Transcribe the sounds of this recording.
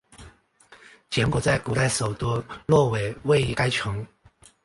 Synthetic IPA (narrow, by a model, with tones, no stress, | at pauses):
t͡ɕjɛ˧˥nkwɔ˨˩t͡sa˥˩ɪku˨˩t̪a˥˩ɪʂo˨˩ʊt̪u˥lwɔ˥˩we˨˩ɪwe˥˧ɪi˧˩ka˥ɪt͡ɕʰɤ˧˥˦ŋ